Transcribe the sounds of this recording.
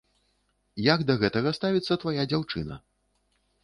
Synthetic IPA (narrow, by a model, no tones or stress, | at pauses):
jaɡd̪ɐɣɛt̪ɐɣɐst̪avʲit̪sːɐt̪vajad͡zʲawt͡ʂɨ̰nɐ̰